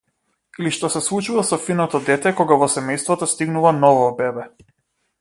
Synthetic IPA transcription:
iliʃt̪ɔsɛslˠut͡ʃuvasɔfinɔt̪ɔd̪ɛt̪ɛkɔɡavɔsɛmɛjst̪vɔt̪ɔst̪iɡnuvanɔvɔbɛbɛ

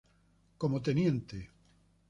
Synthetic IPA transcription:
komot̪enjẽnt̪e

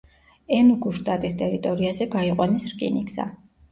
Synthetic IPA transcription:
ɛnuɡuʃt̪ʼat̪ʼist̪ʼɛɾit̪ʼɔɾiazɛɡaiqʼwanisɾkʼḭniksa̰

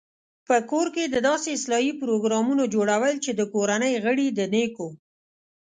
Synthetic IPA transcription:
pəkoɾked̪əd̪ɑseɪslɑjipɾoɡɾɑmunod͡ʒoɽawəlt͡ʃed̪əkoɾanəjɣəɽid̪əneko

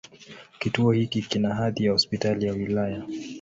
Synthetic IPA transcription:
kituɔhikikinaɦaðijahɔspitalijawilaja

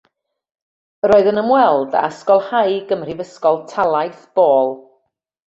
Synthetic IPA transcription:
ɾoːɨðənəmwɛlˠda̰skɔlˠhajɡəmr̥ivəskɔlˠtʰalˠajθb̥oːlˠ

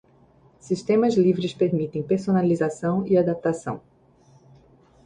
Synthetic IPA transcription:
sist̪ẽmɐzlivɾɪspeɾmit̪ẽj̃peɾsonalizasɐ̃w̃iad̪ap̚t̪asɐ̰̃w̃

